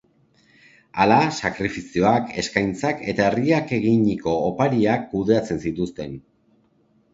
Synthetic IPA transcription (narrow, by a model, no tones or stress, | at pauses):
alasakɾifisio̞ake̞skajnt͡sake̞t̪ae̞riake̞ɣiɲiko̞ːpaɾiakːuðe̞at͡se̞nsit̪ust̪e̞n